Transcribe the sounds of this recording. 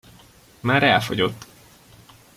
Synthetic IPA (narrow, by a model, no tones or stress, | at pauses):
maːɾɛlfoɟo̞t̪ː